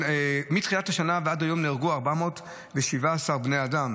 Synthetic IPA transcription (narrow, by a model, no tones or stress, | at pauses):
emit̪χijathaʃanaveadajo̞mneʁɡuaʁbamo̞ːt | veʃivaːsaʁbnejadam